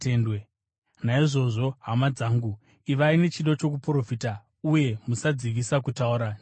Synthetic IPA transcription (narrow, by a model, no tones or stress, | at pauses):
tendwe | naiʐo̞ʐo̞ɦamad͡zaːŋɡu | iʋaine̞t͡ʃiɗo̞t͡ʃo̞k̬upro̞fita | uje̞musad͡ziʋisakutauɾan